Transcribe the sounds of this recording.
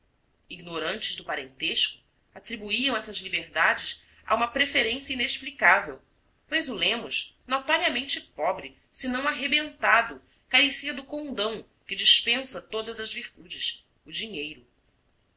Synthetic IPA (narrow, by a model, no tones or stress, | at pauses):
iɡnoɾɐ̃nt͡ʃɪzd̪ʊpaɾḛ̃nt̪eʃkʊ̥ | at̪ɾibuiɐ̃w̃ɛsɐzlibeɾd̪ad͡ʒɪs | a̰ũmɐpɾefeɾẽsjɐineʃplikavew | pojzʊlẽmʊʃnot̪aɾiɐmẽnt͡ʃɪpɔbɾɪ | sɪnɐ̃w̃aɦebẽnt̪ad̪ʊ | kaɾesiɐd̪ʊkõd̪ɐ̃w̃ | kɪd͡ʒiʃpẽsɐt̪od̪ɐzɐzviɾt̪ud͡ʒɪs | ʊd͡ʒiɲejɾʊ